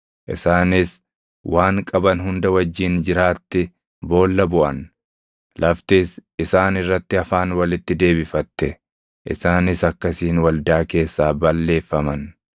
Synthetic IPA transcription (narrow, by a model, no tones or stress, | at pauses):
ʔɪ̰saːnɪs | wʔaːŋkʼɐbɐnɦʊnd̪ɐwɐd͡ʒːiːnd͡ʒɪɾaːt̪ːɪ | bo̞ːlːɐbʊʔɐ̰n | lʔɐft̪iːsɪsaːnɪrːɐt̪ːɪɐfaːnwɐlɪt̪ːɪd̪e̞ːbɪfɐt̪ːɛ | ʔɪ̰saːnɪsɐkːɐsiːnwɐld̪aːke̞ːsːaːbɐlːe̞ːfːɐmɐn